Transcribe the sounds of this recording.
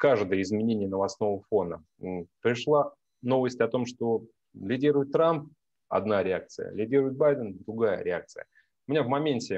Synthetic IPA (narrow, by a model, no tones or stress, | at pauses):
kaʐd̪əjəɪzmʲɪnʲenʲɪjənəvɐsno̞vəfo̞nə | pɾʲɪʂlˠa | no̞vəsʲtʲɐt̪o̞mʂt̪o̞ | lʲɪdʲiɾʊjɪt̪ːɾamp̚ | ɐ̰d̪naɾʲɪak̚t̪sɨjə̰lʲɪdʲiɾʊɪt̪̚bajd̪ənd̪ɾʊɡajə̰ɾʲɪak̚t̪sɨ̰jə̰ | ʊmʲɪnʲavmɐmʲenʲtʲɪ